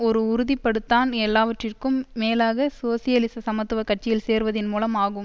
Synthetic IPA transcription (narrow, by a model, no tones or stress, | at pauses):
ɔɾɯʊɾʊðɪpːɐɽɯt̪ːaːnɛlːaːʋɐʈrɪrkɯmːeːlaːɣɐsoːsɪjɐlɪsɐsɐmɐt̪ːɯʋɐkɐʈ̚t͡ʃɪjɪlseːɾʋɐðɪnmuːlɐmaːɣɯm